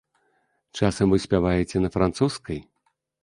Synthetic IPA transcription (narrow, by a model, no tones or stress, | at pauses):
t͡ʂasɐmvɨsʲpʲavajet͡sʲɛnɐfɾant̪suskɐj